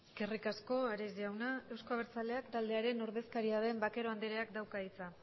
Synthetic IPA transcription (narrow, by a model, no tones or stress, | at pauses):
kerikasko̞aɾeziawnae̞wsko̞aβ̞eɾt͡sale̞akt̪ald̪e̞aɾe̞no̞ɾð̞e̞skaɾiað̞e̞mbake̞ɾo̞and̪eɾeakd̪awkait͡sa